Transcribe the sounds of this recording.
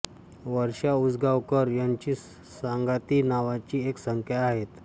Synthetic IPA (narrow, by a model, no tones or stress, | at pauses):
ʋəɾɕaud͡zɡaʋkəɾjaɲt͡ɕiː | saŋɡat̪iːnaʋat͡ɕiːeksəŋkʰjaaɦet̪